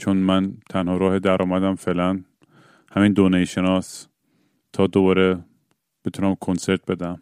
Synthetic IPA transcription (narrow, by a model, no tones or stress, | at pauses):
t͡ʃʰonmænt̪ʰænhɒːɾɒːhed̪æɾʔɒːmæd̪æmfeːʔlæn | hæmiːnd̪oːnejiʃenɒːs | t̪ʰɒːd̪obɒːɾe | b̥et̪ʰunæmkʰonse̞ɾt̪̚be̞d̪æm